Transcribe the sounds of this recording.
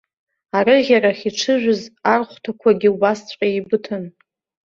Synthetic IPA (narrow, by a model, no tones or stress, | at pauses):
arɨʁʲaɾaχʲiʈ͡ʂʰɨʒᶣʷʊzarχʷtʰakʷʰaɡʲiubast͡ɕʷʼqʼaibɨtʰɨn